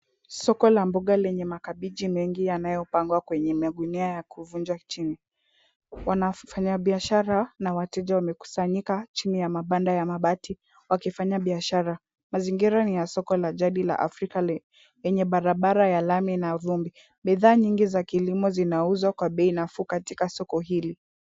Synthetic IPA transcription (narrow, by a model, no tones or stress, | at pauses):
sɔkɔlambɔɠalɛɲɛmakaɓiʄimɛŋɡijanajɔpaŋɡwakwɛɲɛmaɡuniajakuvund͡ʒwat͡ʃini | wanafaɲaɓiaʃaɾanawatɛʄawamɛku̥saɲikat͡ʃinijamaɓandajamaɓati | wakifaɲaɓiaʃaɾa | maziŋɡiɾanijasɔkɔlaʄaɗila̰ʔa̰fɾika | jɛɲɛɓaɾaɓaɾajalaminaðumbi | ɓiðaːɲiŋɡizakilimɔzinauzwakwaɓɛinafukatikasɔkɔɦili